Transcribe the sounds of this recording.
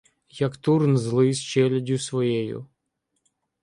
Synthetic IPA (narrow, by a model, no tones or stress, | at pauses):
jɐkt̪urnzlˠɪst͡ʃɛlʲɐdʲusʋɔjɛjʊ̰